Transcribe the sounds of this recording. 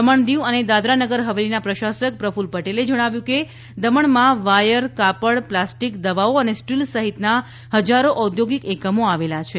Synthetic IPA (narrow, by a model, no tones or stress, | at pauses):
əməɳd̪iʋəned̪ad̪ɾanəɡəɾɦəʋelinapɾəʃasək̚pɾəfulpəʈeled͡ʒəɽ̃aʋjũke | d̪əməɳmãʋajəɾkapəɽplasʈikd̪əʋaoənesʈilsəɦit̪na | həd͡ʒaɾoʔəd̪joɡikekəmoaʋelat͡ʃʰe